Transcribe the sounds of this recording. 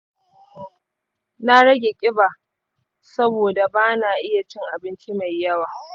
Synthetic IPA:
na˦ɽɐ˦ɡʲeː˨kʲʼɪ˦ba˨ | sɐ˦boː˨da˨baː˦naː˨ʔɪ˦ja˨t͡ʃɪ˦ŋʔa˨bɪ˦nt͡ʃi˦ma˨jːɐ˦waː˨

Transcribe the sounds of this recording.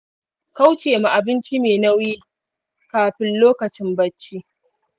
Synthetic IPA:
ka˦wt͡ʃeː˨ma˨ʔa˨bɪ˦nt͡ʃi˦meː˨na˦wjiː˦ | kaː˨ɸɪ˦nloː˦kɐ˨t͡ʃɪ˦mbɐ˦t͡ʃːi˦

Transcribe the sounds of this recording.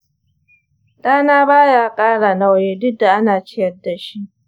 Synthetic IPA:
ɗaː˦naː˦baː˦jaː˦kʼaː˦ɽa˨na˦wjeː˦dʊ˦da˨ʔa˦naː˨t͡ʃɪ˦jɐ˦dːa˨ʃi˦ʔ

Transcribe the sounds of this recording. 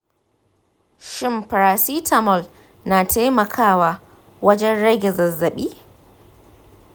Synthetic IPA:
ʃɪ˦mpɐ˨ɾaː˨siː˦tʰɐ˨mɔ˨l | naː˨tʰaː˦mɐ˨kʰaː˦˨waː˨ | wɐ˦d͡ʒɛ˦nɽɐ˦ɡʲɛ˨zɐ˨zːɐ˨ɓiː˦

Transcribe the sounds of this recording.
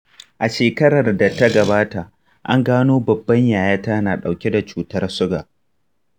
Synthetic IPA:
ʔa˨ʃeː˨kɐ˦ɽɐ˨rda˨tɐ˦ɡɐ˨baː˦ta˨ | ʔa˦ŋɡaː˦noː˦bɐ˨bːɐ˦ɲjaː˨jaː˦taː˦naː˨ɗa˨wkʲe˦da˨t͡ʃuː˨tɐ˦rsʊ˦ɡaː˨ʔ

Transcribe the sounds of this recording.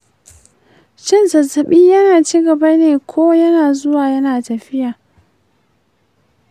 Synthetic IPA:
t͡ʃɪ˦˨nsɐ˨sɐ˨ɓiː˦jɐ˦naː˨t͡ʃi˦ɡɐ˨ba˦neː˨kʷʰoː˦jɐ˦naː˨zʊ˦waː˨jɐ˦naː˨tɐ˨ɸɪ˦jaː˨

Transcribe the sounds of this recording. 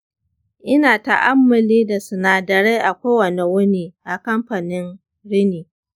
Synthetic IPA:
ʔɪ˦naː˨ta̰˨ʔa˦mːʊ˨liː˦da˨sʊ˨naː˨dɐ˨ɾe˦ʔa˨kʷoː˦wɐ˨ne˨wʊ˦niː˦ʔa˨kɐ˦mɸa˨nɪ˦n | ɽɪ˦niː˨

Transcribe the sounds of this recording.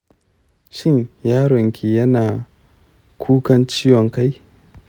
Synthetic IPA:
ʃɪ˦˨ɲjaː˦ɽɔ˨ŋkʲi˨jɐ˦naː˨ | kʷʰuː˦kɐ˦nt͡ʃi˦jwɔ˨ŋka˦j

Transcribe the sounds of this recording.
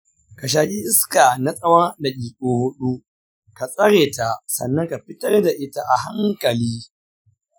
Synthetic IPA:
ka˨ʃ̬aː˨kʼi˦ʔɪ˦ska˨na˦sʼɐ˦wɐ˦rda˨kʲʼiː˨kʼoː˦hʊ˦ɗu˦ | ka˨sʼɐ˦ɽeː˨ta˨sɐ̰˨nːɐ˦ŋka˨ɸɪ˦tɐ˦rda˨ʔɪ˦ta˦ʔa˨ɦa˦ŋkɐ˨liː˦

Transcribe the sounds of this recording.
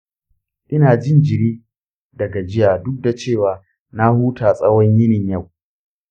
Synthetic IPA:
ʔɪ˦naː˨d͡ʒɪ˦nd͡ʒɪ˨ɾiː˦ | dɐ˨ɡa˨d͡ʒɪ˦jaː˨dʊ˦k̚da˨t͡ʃeː˦˨waː˨ | na˦huː˦tʰaː˨sʼɐ˦wɔ˦ɲjɪ˦nɪ˨ɲjɐ˦˨w

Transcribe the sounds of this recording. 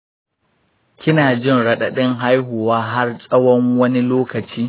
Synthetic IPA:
kʲɪ˦naː˨d͡ʒɪ˦˨nɽɐ˦˨ɗa˨ɗɪ˦ŋɦa˦jɦʊ˨waː˦ɦa˦rsʼɐ˦wɔ˦ŋwɐ˦ni˦loː˦kɐ˨t͡ʃiː˦

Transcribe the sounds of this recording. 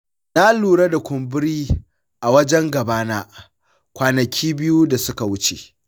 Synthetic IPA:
na˦luː˨ɽa˦da˨kʷʊ˨mbɪ˦ɾiː˦ | ʔa˨wɐ˦d͡ʒɛ˦ŋɡɐ˨baː˦naː˦ | kʷaː˨nɐ˨kʲʰiː˦bɪ˦ju˦da˨sʊ˦ka˨wʊ˦t͡ʃḛ˨

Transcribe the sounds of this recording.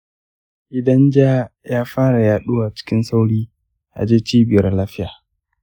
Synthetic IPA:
ʔɪ˨dɐ˦nd͡ʒaː˦jaː˦ɸaː˦ɽa˨jaː˨ɗʊ˦waː˨t͡ʃɪ̥˦kʲɪ˦nsa˦wɽiː˦ | ʔa̰˨d͡ʒeː˦t͡ʃiː˦bɪ˨jɐ˦rlaː˦fɸɪ˦jaː˨

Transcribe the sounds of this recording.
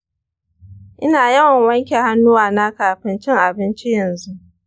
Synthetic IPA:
ʔɪ˦naː˨jɐ˦wɐ˨ŋwɐ˦ŋkʲe˨ha˦nːʊ˦waː˨na˦kaː˨ɸɪ˦nt͡ʃɪ˦ŋʔa˨bɪ˦nt͡ʃi˦jɐ˨nzu˦ʔ

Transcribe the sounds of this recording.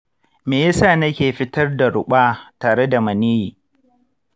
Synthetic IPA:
meː˨jɐ˦saː˦˨nɐ˦kʲeː˨ɸɪ˦tɐ˦rda˨ɽʊ˨ɓaː˦taː˨ɽe˦da˨mɐ˨niː˦jiː˨

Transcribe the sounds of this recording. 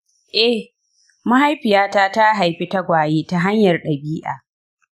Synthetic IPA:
ʔɛ˦ | ma˦ɦa˦jɸɪ˨jaː˦taː˦ta˦ɦa˨jɸi˦ta˦ɡʷaː˨jeː˦ta˦ɦa˦ɲjɐ˨rɗɐ˨biː˦ʔa̰ː˨

